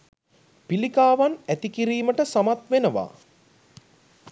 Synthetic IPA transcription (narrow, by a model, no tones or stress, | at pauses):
pilikaːʋanæt̪ikiɾiːməʈəsamat̪ʋenəʋa̰ː